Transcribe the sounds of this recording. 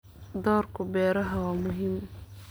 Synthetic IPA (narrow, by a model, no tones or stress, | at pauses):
d̪ɔːrkʰʊbɛːɾɐɦɐwaːmʊɦiːm